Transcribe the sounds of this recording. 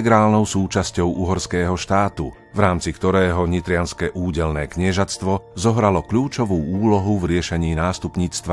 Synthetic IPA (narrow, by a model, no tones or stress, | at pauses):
ɛɡɾaːlnɔʊsuːt͡ʃascɔʊʔuɦɔɾskɛːɦɔʃt̪aːt̪ṵ | vɾaːmt͡sikt̪ɔɾɛːɦɔɲit̪ɾɪanskɛʔuːɟɛlnɛːkɲɪɛʒast̪ʋɔzɔɦɾalɔkʎuːt͡ʃɔʋuːuːlɔɦuvɾɪɛʃɛɲiːnaːst̪upɲiːt͡st̪ʋa